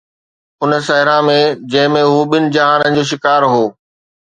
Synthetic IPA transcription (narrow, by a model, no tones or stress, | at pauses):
ʊnəsɐɦɪɾãmẽd͡ʑɐ̃ɦɪ̃mẽɦuɓɪnɪ̆d͡ʑɐɦaːnənɪ̆d͡ʑoːʃ̬ɪkaːɾɦoː